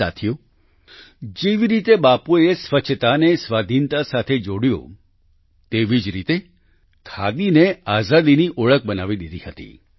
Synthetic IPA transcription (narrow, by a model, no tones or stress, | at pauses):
a̰t̪ʰijo | d͡ʒeʋiɾit̪ebapuesʋət͡ʃʰt̪anesʋad̪ʱint̪asat̪ʰed͡ʒoɽjo̰ | t̪eʋid͡ʒɾit̪e | kʰa̰d̪ineazad̪iniʔoɭək̚bənaʋid̪id̪ʱihət̪ḭ